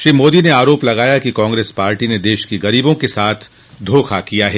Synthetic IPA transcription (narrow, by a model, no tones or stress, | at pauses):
ʃɾiːmoːd̪ineaːɾoːplɐɣaːjakikɔ̃ːŋɡɾeːspaːɾʈined̪eːʃkiɣɐɾiːbõkesaːt̪ʰ | d̪ʱoːxʰakijaɦɛː